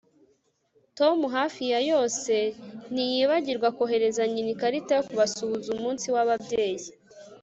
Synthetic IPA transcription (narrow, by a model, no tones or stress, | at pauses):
to̞muɦaːfijajo̞ːse̞n̥ijiβaɟiɾɡwakoɦe̞ɾe̞zaɲinikaɾitajokuβasuβuzumuːnsiwaβabɟe̞ːji